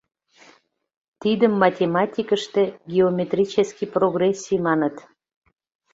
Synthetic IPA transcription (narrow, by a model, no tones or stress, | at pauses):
t̪id̪əmːɑtʲemɑtʲikəʃt̪ĕɡʲeomʲet̪rʲit͡ɕəskiproɣresʲːijmɑnət̪